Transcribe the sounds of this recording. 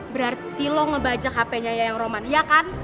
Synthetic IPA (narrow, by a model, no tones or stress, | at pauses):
bəɾart̪ilɔŋəbad͡ʒakapɛɲajajaŋromanjakan